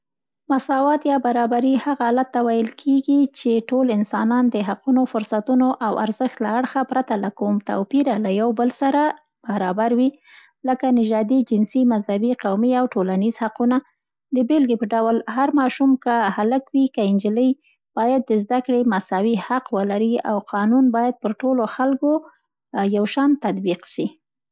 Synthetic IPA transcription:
masɑwɑt̪jɑbaɾɑbaɾihaɣaalat̪ːawajəlkʰeɡit͡ʃeʈolɪnsɑnɑnd̪əɦaqunofʊɾsat̪unoʔawa̰ɾzəxt̪laaɽxapɾat̪alakumt̪a̰wpiɾalajawbəlsaɾa | b̥aɾɑbaɾwi | ləkanɪʒɑd̪id͡ʒɪnsimazhabiqawmiawʈolanizhaquna | d̪əbelɡepəɖawlɦaɾmɑʃumkahaləkwikaɪnd͡ʒiləj | b̥ɑjad̪̚ːəzd̪akɽemasawihaqwəlaɾia̰wqʰɑnunbɑjad̪̚pəɾʈoloxalko | jawʃɑnt̪ad̪biqʃi

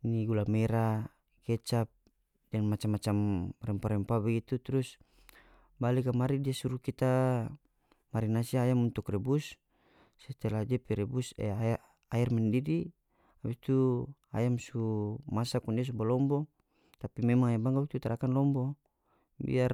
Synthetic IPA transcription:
niɡulamɛɾa | kɛt͡ʃap̚ | dɛnmat͡ʃamːat͡ʃamrɛmpaɾɛmpabɛɡit̪ut̪ɾus | balikamaɾidiasuɾukit̪a | maɾinasiajamunt̪ukrɛbus | sɛt̪ɛlad͡ʒɛpɛɾɛbusɛ̰a | aɛrmɛndidi | abist̪ua̰jamsumasakundias̬ubalɔmbɔ | t̪apimɛmaŋɛbaŋɡawk̚t̪ut̪aɾʔakanlɔmbɔ | bḭar

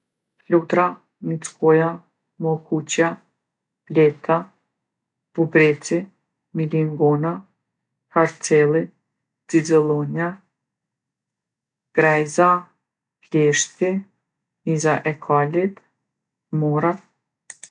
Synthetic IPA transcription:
flut̪ɾa | mit͡skɔja | mɔkut͡ɕja | lɛt̪ʰa | b̥ubɾɛt͡si | miliŋɡɔna | haɾt͡sɛlˠi | d͡zid͡zɛlˠɔna | ɡ̥ɾɛjza | plɛʃt̪ki | mizaʔɛkʰalit̪ | mɔɾa

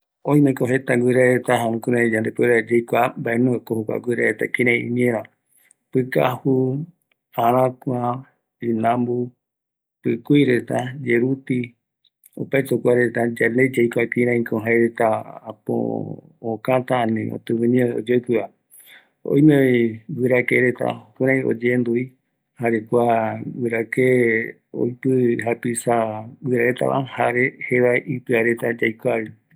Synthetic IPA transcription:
õj̃mẽkoɦet̪aɡʷɨɾeɾet̪aɦaũkuɾẽd͡ʒãnd̪epeɾad͡ʒejkʷambaʔenũekohokʷa̰ɡʷɨɾeɾet̪a̰kiɾ̃ẽḭ̃ɲẽɾ̃ã | pɨka̰hu | aɾ̃ãkʷa | inãmbu | pɨkʷiɾet̪ad͡ʒeɾut̪i | o̰paet̪okʷaɾet̪ad͡ʒaned͡ʒejkʷakiɾãĩkõɦaeɾet̪aapo̰ː | kãt̪aanḭ̃o̰t̪ɨβɨnĩo̰d͡ʒepɨa | o̰jmẽbɨɾakeɾet̪a̰okuɾ̃ãj̃o̰d͡ʒend̪ui | haɾekʷabɨɾake | o̰jpɨɦapisabɨɾaet̪a̰βʔa̰haɾeheʋaʔipɨaɾet̪ad͡ʒajkʷaβi

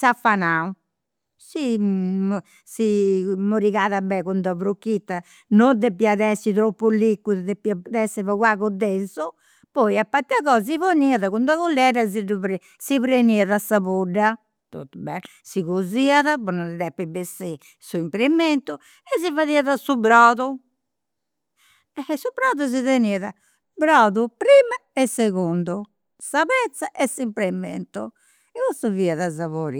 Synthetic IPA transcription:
safːanau | si | simoɾiɣaðabɛkund̪aβɾokːit̪ːa | nod̪epiaðɛsit̪ɾopːulikːuððepiaðɛsɛvɔɣwaɣɔd̪ːɛnsɔ | pɔjapːaɾt̪iaɣɔːzivoniaðaɣund̪aɣolːɛɾaziduɾ | siβɾeniaðasaβoɖːa | t̪o̰t̪ːubɛ | siɣoziːaðapunaɾɛðɛpːibesi | suimpɾemɛnt̪u | ɛs̬ivaðiaðasubɾaðu | ɛsubɾaðuziðeniːaða | bɾaːðupɾimaɛsːeɣund̪u | saβɾɛt̪sːaʔɛsimpɾɛmɛ̰nt̪u | ɛɣost̪uviːaðazaβoɾḭ

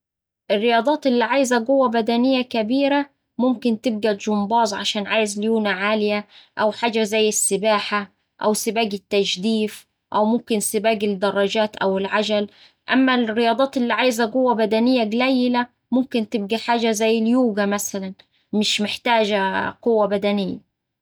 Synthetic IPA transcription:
ʔɪrːɪjɑːd̪ˤɑːt̪ʔɪlːiʕaːjzæɡʊwːæbæd̪ænɪjːækæbiːɾa | mʊmkɪnt̪ɪb̚ɡæʒʊmbɑːzˤʕaʃaːnʕaːjɪzljuːnaʕaːlɪjæʔæwħaːd͡ʒæzæjːɪsːɪbaːħa | ʔæwsɪbaːɡɪt̪ːæʒd̪iːf | ʔæwmʊmkɪnsɪbaːɡɪd̪ɑrˤːɑd͡ʒaːt̪ʔawɪlʕad͡ʒal | ʔamːærːɪjɑːd̪ˤɑːt̪ʔɪlːiʕaːjzaɡʊwːabæd̪ænɪjːaɡlæjːɪla | mʊmkɪnt̪ɪb̚ɡæħaːd͡ʒazæjːɪljuːɡamæsalan | mɪʃmɪħt̪aːd͡ʒɡʊwːabæd̪ænɪjːa̰

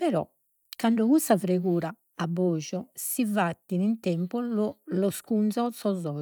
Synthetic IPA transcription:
pɛɾɔ̰ | kːaɳɖɔɣust̪afɾeɣuːɾaː | bːɔːd͡ʒɔsivat̪ːinint̪ɛmpɔlɔlɔskunsɔt̪sɔzɔ

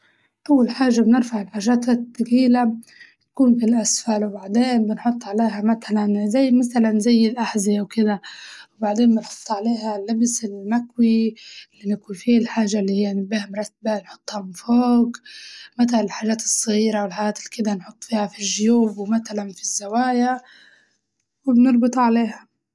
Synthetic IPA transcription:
ʔawːalħaːʒːabnɪɾfaʕɪlħaːʒaːt̪at̪ːakiːlat̪akuːnbilʔasfalwbaʕd̪eːnbɪnħʊt̪ˤːʕaleːɦamat̪alanzajːmaθalanzajːɪlʔaħzɪawkɪd̪awbaʕd̪eːnbɪnħʊ̥t̪ˤːʕaleːɦalːɪbsɪlmakwiɪlːinɪkuifiːalħaːʒalːiːhijːanɪbiːhamɾˤɑt̪ːbanħʊ̥t̪ˤːhamɪnfoːkmat̪̬anɪlħaːʒaːt̪ɨ̥sˤːɣiːɾawɪlħaaːt̪ɪlkɪd̪anħʊt̪ˤːfiːhafiʒːʊjuːbwmat̪alanfizːawaːja | wɪbnɪɾˤbɨt̪ˤʕaleːha

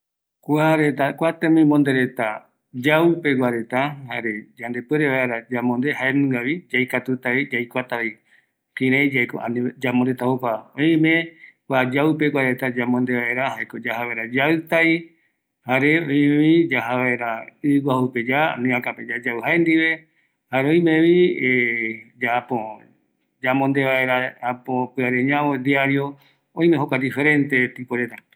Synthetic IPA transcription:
kʷaɾe̞t̪akʷat̪emĩmõnd̪eɾe̞t̪a | d͡ʒaupeɡaɾe̞t̪ahaɾed͡ʒand̪e̞peɾeβaeɾad͡ʒamõnd̪ehaenũŋɡaβid͡ʒajkat̪ut̪aid͡ʒajkʷat̪aβi | kĩɾãjd͡ʒaeko̰ʔa̰nĩd͡ʒamõɾet̪ahopaõĩmẽkʷad͡ʒawpeɡwaɾe̞t̪ad͡ʒamõnd̪eβaeɾahaekod͡ʒahaβaeɾad͡ʒawt̪aj | haɾeõĩmẽβid͡ʒaɦaβaeɾaɨɡaupe̞d͡ʒaa̰nĩakaped͡ʒad͡ʒawɦaend̪iβe̞ | haɾeõĩmẽβied͡ʒapo | d͡ʒamõnd̪eβaeɾaapõpɨaɾeɲãwod̪iaɾio | õĩmeɦokʷad̪ife̞ɾẽ̞nt̪e̞t̪ipoɾet̪a

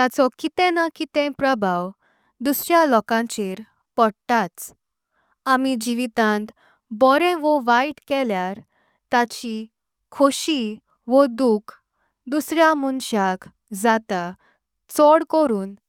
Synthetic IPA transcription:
t̪at͡sɔkit̪ɛ̃nakit̪ɛ̃pɾəbʱaw | d̪usɾjalɔkãt͡ɕeɾ | pɔɽt̪at͡s | amid͡ʑiʋit̪ãnt̪ | bɔɾɛ̃ʋɔʋaiʈkɛljaɾ | t̪at͡ɕi | kʰoɕi | ʋɔd̪ukʰ | d̪usɾjamunɕak | d͡zat̪a | t͡sɔɽkɔɾuːn

